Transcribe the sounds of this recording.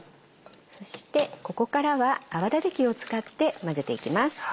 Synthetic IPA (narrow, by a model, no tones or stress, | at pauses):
so̞ɕi̥t̪e̞ko̞ko̞kaɾaβaːβad̪ad̪ekʲio̞t͡sɨ̥kat̪ːe̞maze̞t̪e̞ikʲimasɨ̥